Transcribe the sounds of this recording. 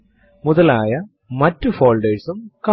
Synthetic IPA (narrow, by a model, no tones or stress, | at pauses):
muðɐlaːjɐ | mɐtːufo̞ːlɖeːsumkɐ